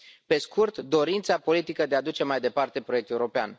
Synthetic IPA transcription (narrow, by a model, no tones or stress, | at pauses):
pe̞skurt̪d̪o̞ɾint̪sapo̞lit̪ikəd̪ead̪ut͡ʃe̞majd̪e̞part̪e̞pɾo̞jekt̪euɾo̞pea̰n